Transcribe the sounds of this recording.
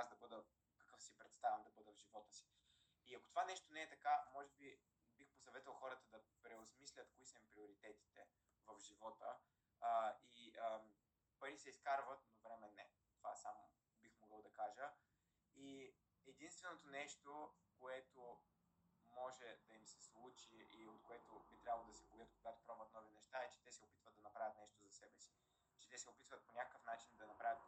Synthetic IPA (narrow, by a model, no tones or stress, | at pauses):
azd̪ɐbɤd̪ə | kɐkɤfsipɾɛt̪st̪avʲɐmd̪ɐbɤd̪əvʒivɔt̪əsi̥ː | ɐkot̪ovanɛʃt̪onɛːt̪ɐkamɔʒɛbi | bixposɐvɛt̪əlˠxɔɾət̪əd̪ɐpɾɛosmislʲət̪koisəmpɾioɾit̪ɛt̪i̥t̪ɛ | vɐvʒivɔt̪ə | iə | pəɾisɛiskaɾvət̪̚novɾɛmɛnɛ | t̪ovasamo | bixmoɡɤlˠd̪ɐkaʒə | i | ɛd̪inst̪vɛnot̪onɛʃt̪ofkoɛt̪o | mɔʒɛd̪ɐimsɛslˠut͡ʃiiot̪koɛt̪obit̪ɾʲabəlˠod̪ɐsɛbojət̪koɡat̪o̥pɾabuvət̪nɔvinɛʃt̪aɛt͡ʃɛ̥t̪ɛsɛopit̪vət̪d̪ɐnɐpɾavʲjət̪nɛʃt̪ozɐsɛbɛsi̥ | t͡ʃɛ̥t̪ɛsɛopit̪vət̪̚ponʲakə̥kəfnat͡ʃind̪ɐnɐpɾavʲət̪̚